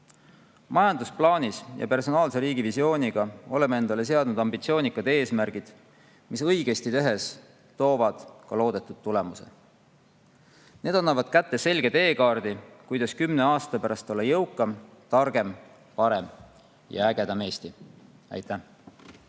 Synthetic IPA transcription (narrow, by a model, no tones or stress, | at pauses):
mɑjɑnd̪usplɑːnʲisjɑ̰pe̞rso̞nɑːlse̞ɾiːɡ̥ivisio̞ːnʲiɡ̥ɑo̞le̞mee̞nd̪̥ɑle̞s̬e̞ɑd̪nud̪̥ɑmbit̪sio̞ːnikːˑɑd̪̥e̞ːsmærɡ̥id̪̥ | misɤjɡ̥e̞st̪it̪øɦe̞s | t̪o̞ːvɑd̪̥kɑlo̞ːd̪̥e̞t̪ːˑud̪̥̚t̪ːule̞muse̞̰ | ne̞ːd̪ɑnːɑvɑd̪̥̚kæt̪ːe̞se̞lʲɡ̥e̞t̪e̞ːkɑːrd̪̥ikujd̪̥ɑskymne̞ɑːst̪ɑpæɾɑst̪o̞lːɑjɤwkːˑɑm | t̪ɑrɡ̥e̞m | pɑɾe̞m | jɑ̰æɡ̥e̞d̪ɑme̞ːst̪i | æ̰jt̪ːˑæ